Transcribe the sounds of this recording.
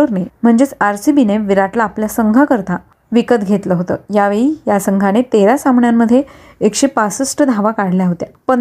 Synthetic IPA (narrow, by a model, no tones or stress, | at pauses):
oɾnem̤əɳd͡zet͡saɾsibineʋiɾaʈlaːpljasəŋɡʱakəɾt̪a | ʋikət̪ɡʱet̪ləɦot̪ə̰ːjaʋeɭijasəŋɡʱanet̪eɾasamɳjamːəd̪ʱːje | ekɕepasəsʈəd̪ʱaʋakaɽljaɦot̪japə